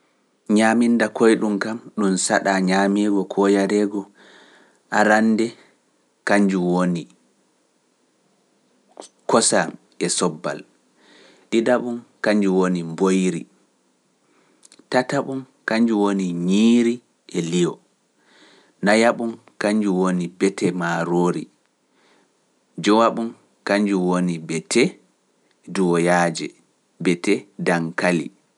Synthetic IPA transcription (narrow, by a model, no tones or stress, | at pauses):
ɲaːmindakɔjɗumkamɗumsaɗaɲaːmɛɡɔkʰɔjaɾɛɡɔ | ʔaɾanːdɛ | kaɲd͡ʒuwoni | kɔsam | ʔɛsɔbːa̰l | ɗidaɓumkaɲd͡ʒuwonimbojɾḭ | tataɓum | kaɲd͡ʒuwoniɲiːɾi | ʔɛlijɔ̰ | najaɓum | kaɲd͡ʒuwonibɛtɛmaɾoːɾḭ | d͡ʒɔwaɓum | kaɲd͡ʒuwonibɛtʰɛ | duwɔjaːd͡ʒɛ̰ | bɛtɛdaŋkalḭ